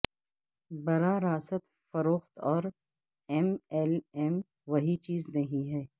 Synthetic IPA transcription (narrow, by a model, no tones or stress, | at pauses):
bɐɾaːɾaːsət̪ | fɐɾoːxt̪ɔːɾ | ɛmɛlɛm | ʋɐɦit͡ʃiːznɐɦĩɦɛː